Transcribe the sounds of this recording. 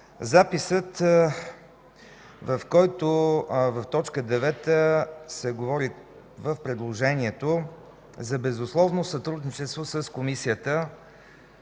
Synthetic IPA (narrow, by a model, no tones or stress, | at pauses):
zapisət̪ | vəfkɔjt̪ovəft̪ɔt͡ʃkəd̪ɛvɛt̪əsɛɡovɔɾi | vəfpɾɛd̪lˠoʒɛniɛt̪o | zɐbɛzʊslˠɔvnosɐt̪ɾud̪nit͡ʃɛst̪vosəskomisiət̪ə